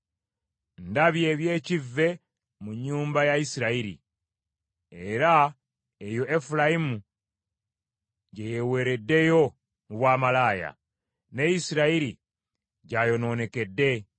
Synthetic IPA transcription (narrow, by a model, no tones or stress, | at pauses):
ndaβje̞βje̞ːcivːe̞ | muɲːuːmbajaisiɾaiɾḭ | e̞ɾa | ejo̞ʔefulaimu | ɟeje̞we̞ːɾe̞dːe̞jo̞ | muβwaːmalaːja̰ | ne̞isiɾaiɾi | ɟajo̞no̞ːne̞ke̞dːe̞